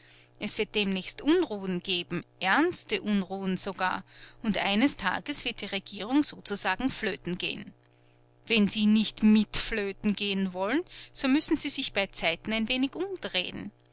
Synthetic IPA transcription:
ʔɛsv̥ɪɐt̚d̥eːmnɛːçstʔʊnʁuːənɡ̥eːbm̩ʔɛɐnstəʔunʁuːənz̥oɡa̰ːɐʊntʔa̰ɪnəstʰa̰ːɡəsv̥ɪɐt̚d̥iːʁeɡ̥iːʁʊŋz̥oːt͡suzaːɡŋ̩fløːtn̩ɡ̥ḛːən | vɛnziːnɪçtmɪtfløːtn̩ɡeːənvɔlənz̥oːmʏsn̩ziːzɪçb̥aɪt͡saɪtn̩æɪnveːnɪçʔʊmd̥ʁḛːən

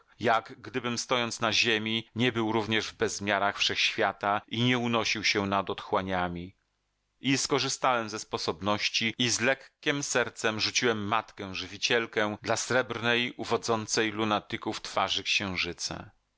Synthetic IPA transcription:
jaɡɡd̪ɘbɘmst̪ɔjɔnt̪snaʑemʲiɲɛbɘwɾuvɲɛʐvbɛzmʲjaɾaxfʂɛxɕfʲjat̪aiɲɛunɔɕiwɕɛnad̪ɔt̪xwaɲamʲi | ʔiskɔʐɘst̪awɛmzɛspɔsɔbnɔɕt͡ɕiizlɛkʲːɛmsɛɾt̪sɛmʐut͡ɕiwɛmːat̪kɛ̃ʐɘvʲit͡ɕɛlkɛd̪lasɾɛbɾnɛjuvɔd̪zɔnt̪sɛjlunat̪ɘkuft̪faʐɘkɕɛ̃w̃ʐɘt̪sɛ̰

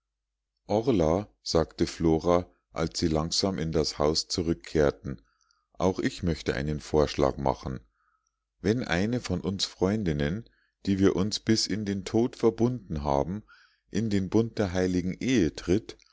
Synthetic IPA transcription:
ʔɔʁla | z̥aːktəfloːʁa | ʔa̰lsz̥iːlaŋz̥aːmɪndashaʊst͡suʁʏkʰːeːɐtn̩ | ʔa̰ʊxʔɪçmœçtəʔa̰ɪnənfoːɐʃla̰ːkma̰χn̩ | vɛnʔa̰ɪnəfɔnʔʊnsfʁ̥ɔʏndɪnən | d̥iːviːɐʔʊnsb̥ɪsɪndeːntʰoːtfɛɐbʊndn̩ɦa̰ːbm̩ | ʔɪndeːnbʊnt̚d̥eːɐɦaɪlɪɡŋ̩ʔeːətʁ̥ɪt

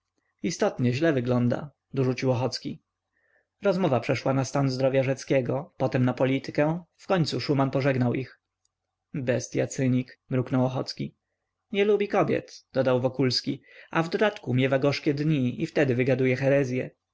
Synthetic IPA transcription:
ist̪ɔt̪ɲɛʑlɛvɘɡlɔnd̪a̰ | d̪ɔʐut͡ɕiwɔxɔt̪skʲi | ɾɔzmɔvapʂɛʂwanast̪anzd̪ɾɔvʲjaʐɛt̪skʲɛɡɔpɔt̪ɛmnapɔlʲit̪ɘ̥kɛ̃fkɔɲʲt̪suʂumanpɔʐɛɡnawʔix | bɛst̪ja̰t̪sɘɲikmɾuknɔwɔxɔt̪skʲi | ɲɛlubʲikɔbʲjɛ̰t̪d̪̥ɔd̪awvɔkulskʲiavd̪ɔd̪at̪kumʲjɛvaɡɔʂkʲɛd̪ɲiift̪ɛd̪ɘvɘɡad̪ujɛxɛɾɛzʲjɛ

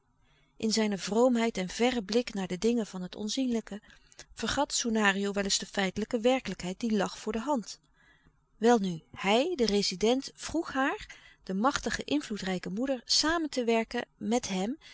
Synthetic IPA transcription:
ʔɪnzɛjnəvrowmɦɛjtɛnvɛrəblɪknaːɹdədɪŋənv̥ɑnɦətɔ̰nzinləkəv̥əɹχɑtsunaːriowʋɛlɪzdəfɛjtələkəʋɛɹkələkɦɛjt̚d̥ilɑχfʊːɹdəɦɑnt | ʋɛlˠnyhɛjdərezidɛntfruχɦaːɹd̥əmɑχtəχəʔɪnvlutrɛjkəmudəɹsaːməntəʋɛɹkə̰mɛtɦɛm

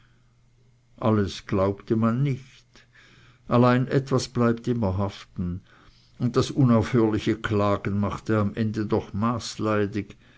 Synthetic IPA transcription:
ʔaləsɡ̥laʊptəmanːɪç | t | ʔalaɪnʔɛtv̥asb̥laɪp̚tɪmɐɦaftn̩ | ʊnt̚d̥asʔʊnaʊfhøːɐlɪçəkʰlaːɡ̥ən̩maχtəamʔɛndədɔχmaːslaɪdɪɡ̥

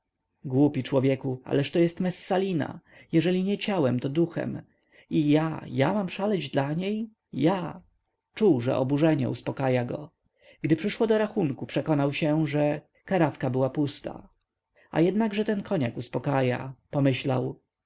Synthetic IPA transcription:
ɡwupʲit͡ʂwɔvʲjɛkua̰lɛʂt̪ɔjɛst̪mɛsːalʲina̰jɛʐɛlʲiɲɛt͡ɕawɛmt̪ɔd̪uxɛ̰m | ijajamamʂalɛd͡ʑd̪laɲej | ja | t͡ʂuwʐɛ̰ʔɔ̰buʐɛɲɛ̰uspɔkajaɡɔ̰ | ɡ̥d̪ɘpʂɘʂwɔd̪ɔɾaxuŋkupʂɛkɔnawɕɛʐɛ | kaɾafkabɘwapust̪a̰ | a̰jɛd̪naɡʐɛt̪ɛnkʰɔɲakuspɔkaja̰pɔmɘɕlaw

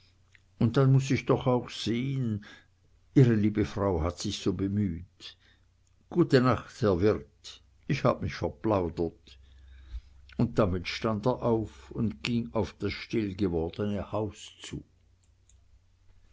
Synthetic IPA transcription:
ʊnt̚d̥anmʊs̬ɪçd̥ɔχaʊxz̥eːən | iːʁəliːbəfʁ̥aʊhatsɪçsoːbəmyːt | ɡ̥uːtənaχthɛɐvɪʁt | ɪçha̰ːb̥əmɪçfɛɐplaʊdɐt | ʊnt̚d̥amɪtʃtandeːɐʔaʊfʊndɡ̥ɪŋaʊfd̥asʃtɪlɡəvɔɐd̥ənəhaʊst͡sṵː

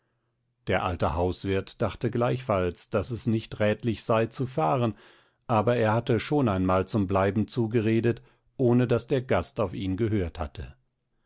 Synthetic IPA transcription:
d̥eːɐʔa̰ltəhaʊsv̥ɪɐtd̥aχtəɡlaɪçfalsd̥asɛsnɪçtʁɛːtlɪçz̥aɪt͡sufaːʁən | ʔaːbɐeːɐhatəʃoːnaɪnmaːlt͡sʊmblaɪbm̩t͡suːɡəʁeːdət | ʔoːnədasd̥eːɐɡastaʊfiːnɡəɦøːɐthatʰə̰

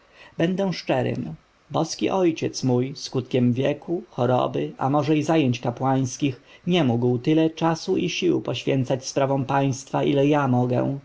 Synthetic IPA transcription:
b̥ɛnd̪ɛw̃ʂt͡ʂɛɾɘ̰m | bɔskʲḭʔɔjt͡ɕɛt̪smujskut̪kʲɛmvʲjɛkuxɔɾɔ̰bɘʔa̰mɔʐɛizajeɲt͡ɕkapwaj̃skʲixɲɛmuɡwt̪ɘlɛt͡ʂasuʔiɕiwpɔɕfʲjɛnt̪sat͡ɕspɾavɔ̃paj̃st̪faʔilɛjamɔɡɛ̰̃

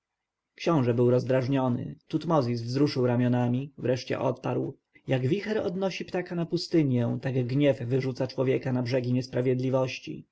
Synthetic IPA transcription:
kɕɔ̃w̃ʐɛbɘwɾɔzd̪ɾaʐɲɔnɘ̰t̪ut̪mɔzʲisvzɾuʂɘwɾamʲjɔnamʲivɾɛʂt͡ɕɛ̰ʔɔ̰t̪̚paɾw | jaɡvʲixɛɾɔ̰d̪nɔɕipt̪akanapust̪ɘɲjɛ̃w̃t̪aɡɡɲɛvːɘʐut̪sat͡ʂwɔvʲjɛkanabʐɛɡʲiɲɛspɾavʲjɛd̪lʲivɔɕt͡ɕḭ

